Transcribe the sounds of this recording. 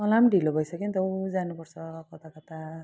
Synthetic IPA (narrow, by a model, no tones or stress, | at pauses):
ʌlamɖʱilobʱʌjsʌkint̪ʌwd͡zanupʌrt͡sʰʌkʌt̪akʌt̪a